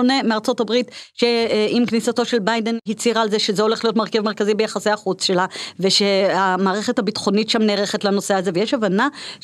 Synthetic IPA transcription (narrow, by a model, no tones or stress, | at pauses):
one̞meaʁt͡so̞tabʁitʃe̞ʔimknisato̞ʃe̞lbajdenɦit͡siʁalze̞ʃezeo̞le̞χlijo̞tmeʁkevmeʁkazibejaχaseaχut͡sʃe̞lave̞ʃeamaːʁeχethabitχo̞nitʃamneːʁeχetlano̞seaze̞vejeʃavana